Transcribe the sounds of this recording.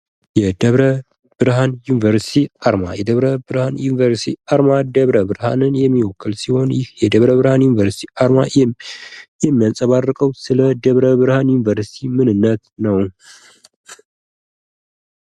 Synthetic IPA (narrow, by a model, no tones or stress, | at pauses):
jɛd̪əβɾə | b̥ɨɾɦanjunivəɾsi̥t̪ʰiaɾma̰jɛd̪əβɾəbɨɾhanjunivəɾst̪ʰiaɾmad̪əβɾəbɨɾha̰nɨnjɛmːiwɔkʰːɨlsiho̞njɪhjɛd̪əβɾəβɨɾhanjunivəɾsi̥t̪ʰiʔaɾma | jɛmːijansʼəβarːɨkʼəwsɨləd̪əβɾəbɨɾhanjunivəɾsi̥t̪ʰimɨnɨnːət̪nəw